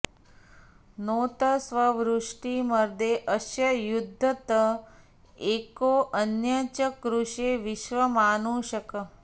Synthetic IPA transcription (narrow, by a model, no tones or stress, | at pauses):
noːt̪əsʋəʋɾuʂʈiməɾd̪eʔəʃjəjud̪ʱːət̪ə | ekoʔənjət͡ʃəkɾuʃeʋɪʃʋəmanũʃəkə